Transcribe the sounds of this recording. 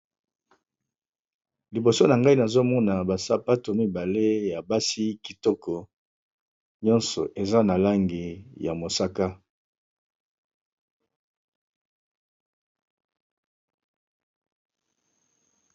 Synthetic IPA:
li˨bo˨so˦na˨ŋɡa˦i˦na˨zo˦mɔ˦na˨ba˨sa˦pa˦to˨mi˦ba˨le˦ja˨ba˦si˦ki˨tɔ˦kɔ˨ | ɲɔ˦nsɔ˨ʔe˨za˦na˨la˦ŋɡi˨ja˨mo˨sa˦ka˦

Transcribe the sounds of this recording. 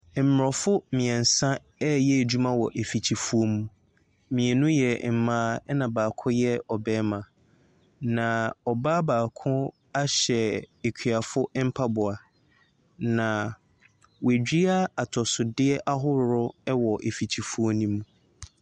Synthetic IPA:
m̩˨m˨ɾɔ˨fʊ˦mɪ̃˨ɛ̃˨n̩˨sã˦ | ɛ˦jɛ˦˨d͡ʑᶣu˦mã˦wɔ˨ʔe˨fi˨t͡ɕʰi˨fu˦o˦mũ˦ | mĩ˨ɛ˨nʊ̃˦jɛ˨m̩˨mãː˦ɛ˦nã˨baː˨kʰʊ̃˦jɛ˦ɔ˨bɛː˦mã˨ | nã˨ɔ˨baː˦baː˨kʰʊ̃˦ | a˦ɕɛ˨e˨kʰᶣɥa˨fʊ˦m̩˦pʰa˦bʊ˨a˨ | nã˨ | we˨d͡ʑᶣi˦a˦a˨tʰɔ˨sʊ˨dɪ˦ɛ˦ʔa˦ɦʊ˦ɾʊ˦wɔ˨ʔe˨fi˨t͡ɕʰi˨fu˦o˦nĩ˦mũ˦

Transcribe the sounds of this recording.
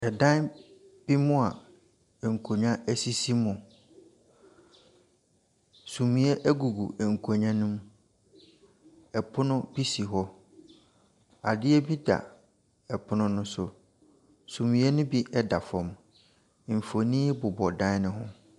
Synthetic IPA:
ɛ˨dã˦nb̥i˦mʊ̃˦a˨ | ŋ̩˨kʰo˨ɲã˦æ˦si˦si˦mʊ̃˨ | sũ˨mĩ˨˦ɛ˦ʔɛ˦ɡu˨ɡṵ˨ŋ̩˨kʰo˨ɲã˦nʊ̃˦m | ɛ˨pʰʊ˦nʊ̃˦bi˦si˨ɦɔ˦ | a˨dɪ˦ɛ˦bi˦da̰˨ | ɛ˨pʰʊ˦nʊ̃˦nʊ̃˦sʊ˨ | sũ˨mĩ˨ɛ˦nʊ̃˦bi˦ʔɛ˦da˨fɔ̃˨m˨ | m̩˨fo˨nĩː˦bʊ˨bɔ˨dã˦n˦nɪ̃˦ɦʊ̰̃˦

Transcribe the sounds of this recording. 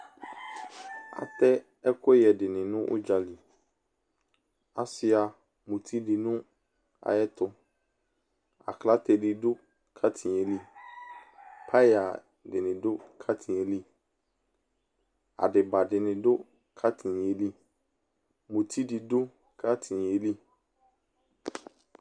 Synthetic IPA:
a̰˨t̪ɛ˦ | ɛ˦kʰɔ˦jɛ˨dɪ˨nɪ̃˨nʊ̃˦ʔʊ̰˦d͡ʒa˨li˨ | a̰˨sɪ˨a˨ | mũ˨t̪ʰi˦di˨nʊ̃˦ | a̰˨jɛ˦t̪ʰʊ˦ | a̰˨kʰla˦t̪ʰɛ˨dɪ˨dʊ˦ | kʰa˦tʰi˨nɛ˨li˦ | pʰa˦a˨ | dɪ˨nɪ̃˨dʊ˦kʰa˦tʰĩ˨e˨li˦ | a̰˨dɪ˨ba˨dɪ˨nɪ̃˨dʊ˦ | kʰa˦tʰɪ˨e˨li˦ | mũ˨tʰi˦di˨dʊ˦ | kʰa˦tʰɪ˨e˨li˦

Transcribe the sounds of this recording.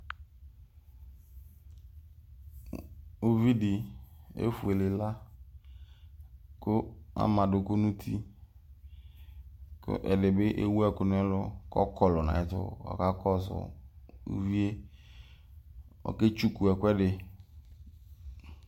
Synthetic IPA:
o˦vi˦dɪ˨ḛ˦fu˨e˨le˨la˦ | kʊ˦a̰˦mã˨dʊ˨ko˦nũ˦t̪ʰi˦ | kʊ̰˦ʔɛ̰˨dɪ˨bɪ˦ʔe˦wu˦ɛ˨kʊ˦nʊ˦ɛ˦lʊ˦kɔ̰˦kɔ˨lʊ˨nã̰˨ɪ˦t̪ʊ̰˦ɔ̰˨ka˦kɔ˦sʊ̰˨ṵ˦vi˦e˦ | ɔ̰˨ke˦t͡ʃu˦ku˨ɛ˨kʊ˦ɛ˦dɪ˨

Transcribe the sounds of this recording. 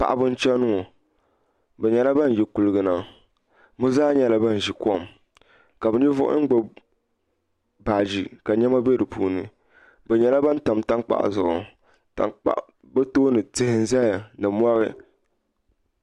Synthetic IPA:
pa̰˨ʔbʊ˦n̩˦t͡ʃɛ˦nʊ˦ŋo˨ | bɛ˨ɲɛ˨la˦ba˦˨n˨jɛ˨ku˨lɨ˨ɡɨ˨na˦˨ | mo˦zaː˦ɲɛ˨la˦ba˦n˨ʒi˨kɔ˦˨m | ka˨bɛ˨ɲi˦vʊ˦ʔʊ̰˦ŋ̩˦ɡ͡bo˦ | baː˨d͡ʒi˨ka˨ɲɛ˦ma˦bɛ˦dɨ˨pṵː˦nɨ˨ | bɛ˨ɲɛ˨la˦ba˦n˦ta˨mta˦ŋk͡pa̰˦ʔzʊ˨ʔʊ˨ | ta̰˨k͡pa̰˦ʔ | bɛ˦toː˦nɨ˨tɪ˦hɪ˦n˦za˦ja˨nɨ˨mʷ˦ɔ˦ɾɪ˦

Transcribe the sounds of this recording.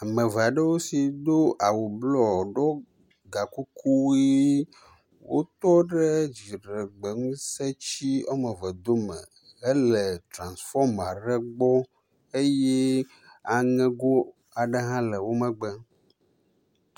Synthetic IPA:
a˨mɛ̃˨ve˨a˨ɖə˦wo˦si˨d̪o˦ʔa˨wu˨blɔ˦˨ɖɔ˦ | ɡa˨ku˦ku˦wi˦ | wo̰˦t̪ɔ˦ɖɛ˦d͡ʑi˨ɖɛ˨ɡ͡bɛ˨ŋũ˦se˦t͡ɕi˦ɔ˦mɛ˨vɛ˨d̪o˦mɛ̰̃˨ | e˦lɛ˨t̪ɾã˨nsfɔ˦ma˨ɖɛ˦ɡ͡bɔ˦ | e˦jɛ˦ | a˨ŋɛ̃˦ɡo˦ | a˨ɖe˦ɦã˦lɛ˨wo˦mɛ̃˨ɡ͡bɛ˦

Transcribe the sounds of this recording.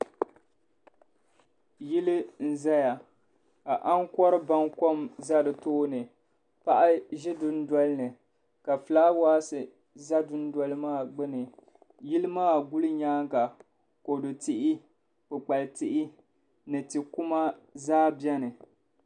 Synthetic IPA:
ji˦lɨ˦n̩˦za˦ja˨ | ka˨ʔa˦ŋ˦kɔ˦ɾɨ˦ba˦ŋkɔ˦mza˦dɨ˨toː˦nɨ˨ | pa˦ʔa˦ʒɪ˦dʊ˦n˦dɔ˦lɨ˦nɨ˨ | ka˨flaː˦waː˦sɨ˨ | za˦dʊ˦n˦dwɔ˦lɨ˦maː˦˨ɡ͡bɨ˦nɨ˨ | ji˦lɨ˦maː˦˨ɡu˦lɨ˦ɲaː˦ŋka˨ | ko˨dɨ˨ti˦ʔɪ˦ | pɨ˨k͡pa˨ltɪ˦ʔɪ˦ | nɨ˨tɨ˨ku˦ma˦zaː˦bjɛ˦nɨ˨

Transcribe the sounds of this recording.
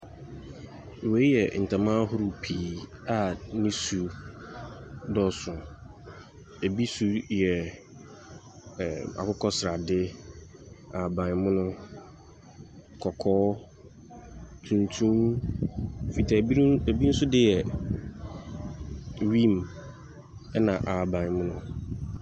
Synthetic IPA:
we˨˦jɛ˨n̩˨tʰã˨mã˦ɦʊ˦ɾʊ˦˨pʰiː˨a˨nɪ̃˦su˨ | dɔ˦sʊ˨ | e˨bi˦su˦jɛ˨ | a̰˨kʊ˦kʰɔ˦sɪ˨ɾa˨dɪ˦ | a˨bã˨nmʊ̃˦nʊ̃˦ | kʰɔ˨kʰɔː˦ | tʰũ˨ntʰũ˦m˨ | fi˨tʰa˨˦e˨bi˦n̩˦sʊ˦dɪ˦jɛ˨ | ɥĩ˦˨m | ɛ˦nã˨ʔa˨bã˨nmʊ̃˦nʊ̃˦

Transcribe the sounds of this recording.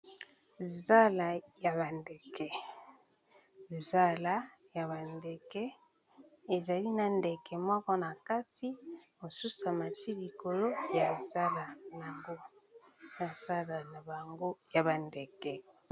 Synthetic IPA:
za˦la˨ja˨βa˨nde˨kɛ˨ | za˦la˨˦ | ja˨βa˨nde˨kɛ˦ | e˨za˨li˦na˨nde˨kɛ˨mɔ˦kɔ˦na˨ka˦ti˦mo˨su˦sa˨ma˨ti˦li˨ko˨lo˦ja˨za˦la˨n˨a˨ŋɡo˦ | ja˨za˦la˨na˨ba˨ŋɡo˦ja˨ba˨nde˨kɛ˨

